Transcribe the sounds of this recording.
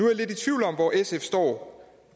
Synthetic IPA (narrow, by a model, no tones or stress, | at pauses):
uæɐle̝dit͡sʰʋiʊlɒ̽mʋɒʔesefsd̥ɒ̰ː